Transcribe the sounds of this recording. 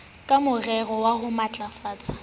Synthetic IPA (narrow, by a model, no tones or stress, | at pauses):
kʼamʊrɛrɔwaɦʊmat͡ɬʼafaːt͡sʼḁ